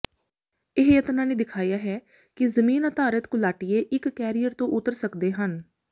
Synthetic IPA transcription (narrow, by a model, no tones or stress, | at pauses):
ɪɦjət̪nãːneːd̪ɪkʰaːjaːɦɛː | kɪzəmiːnət̪aːɾət̪kʊlaːʈɪjeːʔɪkːɛːɾijəɾt̪õːʔʊt̪əɾsəkd̪eːɦən